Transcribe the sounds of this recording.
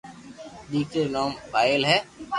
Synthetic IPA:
ɗiːkeːnoːmpaːɪlɦɛː

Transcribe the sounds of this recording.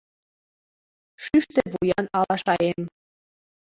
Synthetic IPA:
ʃyʃt̪eβujɑnɑlɑʃɑem

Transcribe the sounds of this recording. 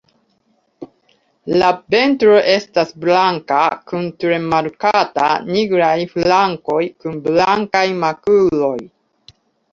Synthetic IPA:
lape̞ntɾo̞ʔe̞stasblaŋkakuntɾe̞maɾkata̰niɡɾajflaŋko̞jkunblaŋkajmakulo̞j

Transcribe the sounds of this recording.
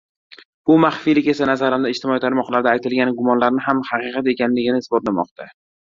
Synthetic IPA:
bʊmaχfijlɪkʲe̞sanazaɾamɪɪd͡ʒt̪ʰɪmɒit̪ʰaɾmɒqlˠaɾd̪aːjt̪ɪlɡʲanɡʊmɒnlaɾnɪɦamhaqɨqʰɑt̪e̞kʲanlɪɡʲɪnɪːsbɒt̪lamɒ̰qt̪ʰa

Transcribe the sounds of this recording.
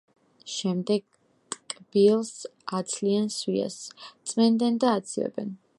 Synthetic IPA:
ʃɛmd̪ɛɡ̚ʼ | kʼb̥ilˠsat̪sʰlianswia̰st̪sʼmɛnd̪ɛnd̪aːt̪sʰivɛ̰bɛ̰n

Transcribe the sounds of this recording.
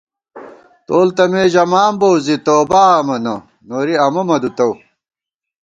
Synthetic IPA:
t̪oːlt̪ɐmeːʑɐmaːmbowzit̪oːbaɐmɐnɐ | noɾiɐmɐmɐd̪ut̪ɐw

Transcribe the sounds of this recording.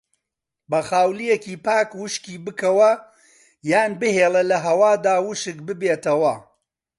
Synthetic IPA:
bɐxaːwlijekiːpaːkwʊʃkiːbɨkɐwɐ | jaːnbɨheːlˠɐlɐɦɐwaːd̪aːwʊʃɨk̚bɨbeːt̪ɐwɐ

